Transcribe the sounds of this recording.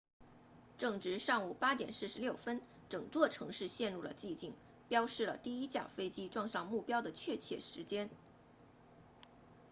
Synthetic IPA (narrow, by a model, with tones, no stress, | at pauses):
ʈ͡ʂɤ˥˩ŋʈ͡ʂɻ̩˧˥ʂɑ˥˩ŋu˨˩pa˥t̪jɛ̰˨˩nsɹ̩˥˩ʂɻ̩˧˥ljo˥˩ʊfə˥n | ʈ͡ʂɤ˨˩ŋt͡swɔ˥˩ʈ͡ʂʰɤ˧˥ŋʂɻ̩˥˧ɕjɛ˥˧nɻu˥˩lə̰˩t͡ɕi˥˧t͡ɕi˥˩ŋ | pjɑ˥ʊʂɻ̩˥˩lə̰˩t̪i˥˩i˥t͡ɕjɑ̰˥˩ʊfe˥ɪt͡ɕi˥ʈ͡ʂwɑ˥˧ŋʂɑ˥˧ŋmu˥˩pjɑ˥ʊd̪ə˨t͡ɕʰɥɛ˥˧t͡ɕʰjɛ̰˥˩ʂɻ̩˧˥t͡ɕjɛ˥n